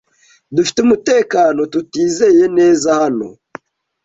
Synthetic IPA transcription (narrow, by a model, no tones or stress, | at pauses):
dufi̥temuteːkanotutiːzejeneːzahano̰